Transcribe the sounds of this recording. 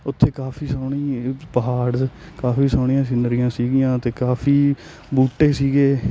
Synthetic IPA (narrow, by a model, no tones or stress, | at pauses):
ʊt̪ʰːeːkaːpʰiːsoːɳiːpəɦaːɾ | kaːpiːsaːɳɪjãːs̬ɪnəɾijãːsiːɡɪjãːt̪eːkaːpʰiː | buːʈːeːsiːɡeː